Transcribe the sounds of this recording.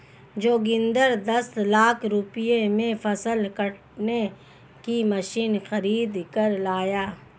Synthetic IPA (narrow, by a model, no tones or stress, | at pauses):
d͡ʒoːɡɪ̃nd̪əɾd̪ɐslaːkʰɾʊpɪjemẽfɐsəlkəʈ | ne | kimɐʃiːnxɐɾiːd̪kɐɾlaːjaː